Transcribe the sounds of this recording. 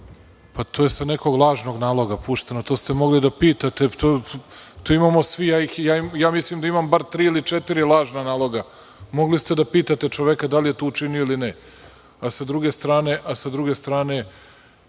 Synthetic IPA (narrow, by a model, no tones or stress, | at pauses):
pat̪ʰoːje̞sane̞ko̞ɡlˠaːʒno̞ɡnaːlˠo̞ɡapuʃt̪enot̪ost̪e̞mo̞ɡlid̪apiːt̪at̪e̞t̪ot̪oimamo̞sʋijaːixjaːjaːmislimd̪aimambaɾt̪ɾiːilit͡ʃet̪iɾilˠaːʒnanaːlˠo̞ɡa | mo̞ɡlist̪e̞d̪apiːt̪at̪e̞t͡ʃoʋekad̪alije̞t̪out͡ʃinijoiline | asad̪ɾuɡe̞st̪ɾaːne̞ʔasad̪ɾuɡe̞st̪ɾaːne̞